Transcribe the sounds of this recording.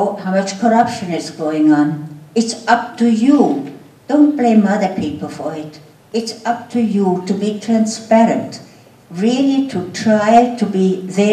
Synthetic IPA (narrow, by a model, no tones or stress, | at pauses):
haʊmʌt͡ʃkʰəɹʌpʃɨ̃nɪzɡoʊɪ̃ŋə̃nɪtsʌp̚tuju | d̥õʊ̃nt̚b̥lẽɪmʌðə˞pʰipəl̩ˠfɔ˞ɪt | ɪtsʌp̚tʰujutubitʰɹæ̃nspɛɾɨ̃nt | ɹilitʰutʰɹ̥aɪtʰubiðɛ